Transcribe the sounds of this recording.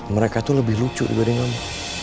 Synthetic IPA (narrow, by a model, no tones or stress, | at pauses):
məɾekat̪uləbɪhlut͡ʃʊ̰ʔdibadiŋana